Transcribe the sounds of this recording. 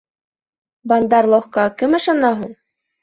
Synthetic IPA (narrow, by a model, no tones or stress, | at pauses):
bɑnd̪ɑɾlˠoχkɑkɘmɤ̆ʃɑnɑɦuɴ